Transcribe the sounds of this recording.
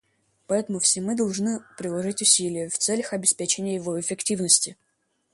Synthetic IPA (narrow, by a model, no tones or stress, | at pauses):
pɐɛt̪əmʊfsʲɪmɨd̪ɐlˠʐnɨpɾʲɪlˠɐʐɨtʲʊsʲilʲɪjəft̪sɛlʲəxɐbʲɪspʲet͡ɕɪnʲɪjəjɪvoɪfʲɪktʲivnəsʲtʲɪ